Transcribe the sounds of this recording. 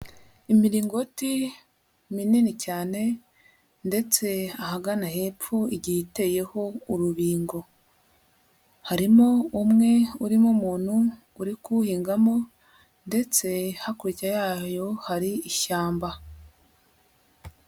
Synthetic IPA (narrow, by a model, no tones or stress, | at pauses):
imiɾiːŋɡo̞ti | mininicaːne̞ | nde̞t͡se̞ahaɡanahe̞p͡ffuiɟite̞je̞ho̞uɾuβiːŋɡo̞ | haɾimoumŋe̞uɾimomuːn̥huː | ɾikuhiːŋɡamo̞ | nde̞t͡se̞hakuɾicajaːjo̞haɾiiʃaːmba